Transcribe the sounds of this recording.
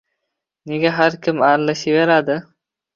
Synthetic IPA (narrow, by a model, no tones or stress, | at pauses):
neɡʲaɦaɾkʲʰɪmaɾlɪʃiveɾad̪ɪ